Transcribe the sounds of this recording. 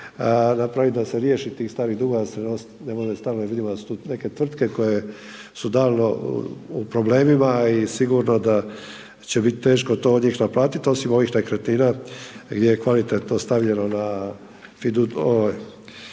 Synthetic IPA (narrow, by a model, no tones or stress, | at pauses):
napɾaʋid̪ase̞ɾjeʃit̪iːxst̪aːɾiɣd̪uːɡad̪asenos | nemod̪est̪aːlnojaʋid̪imod̪asu̥t̪uːne̞ke̞t̪ʋr̩t̪ke̞ko̞je | sud̪aːlno̞upɾo̞ble̞ːmimaisiɡuɾno̞d̪a | t͡ɕe̞bit̪it̪e̞ːʃko̞t̪o̞d̪ɲiːxnaplˠaːt̪it̪o̞simo̞ʋixnekɾet̪niːnaɡd̪jejekʋalit̪et̪nost̪aʋʎe̞no̞na | fid̪uoj